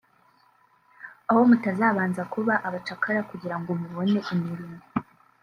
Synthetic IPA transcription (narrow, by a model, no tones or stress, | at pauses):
aho̞mutazaːβaːnzakuβaʔaβat͡ʃakʰaɾakuɟiɾaŋɡomuβo̞ne̞ʔimiɾimo